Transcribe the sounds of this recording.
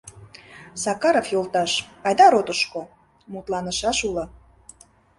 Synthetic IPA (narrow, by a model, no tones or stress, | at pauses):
sɑkɑɾofjolˠt̪ɑʃɑjd̪ɑɾot̪əʃko | mut̪lɑnəʃɑʃulɤ̆